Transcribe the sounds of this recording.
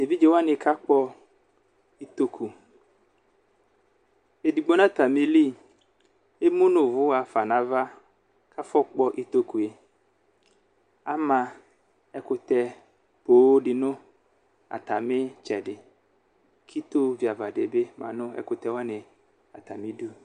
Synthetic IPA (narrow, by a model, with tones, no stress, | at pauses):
e˨vi˦d͡ʒe˦wa˦nɪ˨kʰa˦k͡pɔ˦ | i˦t̪o˦kʰu˨ | e˨di˨ɡ͡bɔ˦nã˦t̪a˨mɪ˦li˦ | e˦mʊ̃˦nʊ̃˨vʊ˦a˨fa˨nã˦va˦ | kʰa˦fɔ˦k͡pɔ˦ʔi˦t̪o˦ku˨e˨ | a˦mã˨ | ɛ˦kʊ˨t̪ɛ˦ | poː˨˦dɪ˨nʊ̃˦ | a̰˨t̪a˨mɪ˦t͡ʃɛ˨dɪ˨ | kʰi˦t̪o˦vi˨a˨va˨de˨be˦mã̰˨nʊ̃˦ɛ̰˦kʊ˨t̪ɛ˦wa˦nɪ˨ | a˨t̪a˨mɪ˦do˦˨